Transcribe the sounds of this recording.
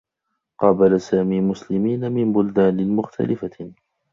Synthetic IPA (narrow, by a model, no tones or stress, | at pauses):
qɑːbalasaːmiːmʊslɪmiːnamɪmbʊld̪aːnɪmʊxt̪ʰa̰lɪfa